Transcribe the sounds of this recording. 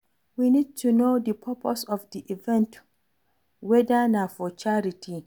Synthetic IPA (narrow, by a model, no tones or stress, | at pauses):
winid̚tʰunodəpʰəpʰosɔfdiʔivɛ̃nt | wɛdənafɔt͡ʃaɹitʰi